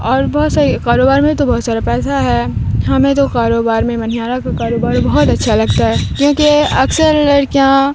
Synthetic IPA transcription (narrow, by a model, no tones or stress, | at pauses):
ɔːɾbɔɦːt̪saːɾikaːɾoːbaːɾmẽbit̪obɔːt̪saːɾapɛːsaɦɛɦɐmẽt̪̬okaːɾoːbaːɾmẽmɐn̤ijaːɾakakaːɾoːbaːɾbɐɦɔt̪ɐtːʃʰalɐɡt̪aɦɛːkjõːkeɐksəɾləɾkjaː